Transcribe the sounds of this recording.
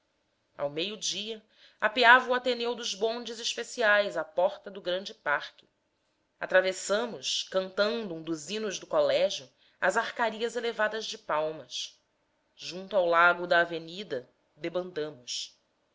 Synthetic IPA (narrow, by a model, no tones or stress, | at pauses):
a̰wmejʊd͡ʒiɐ | apeavɐuat̪enewd̪ʊzbõnd͡ʒɪziʃpesiajzapɔɾt̪ɐd̪ʊɡɾɐ̃nd͡ʒɪpaɾkʲɪ̥ | a̰t̪ɾavesɐ̃mʊʃkɐ̃nt̪ɐ̃nd̪ʊũd̪uzinʊʒd̪ʊkolɛʒjʊ | ɐzaχkaɾiɐzelevad̪ɐzd͡ʒɪpawmɐs | ʒũnt̪uawlaɡʊd̪ɐːvenid̪ɐ | d̪ebɐ̃nd̪ɐ̃mʊs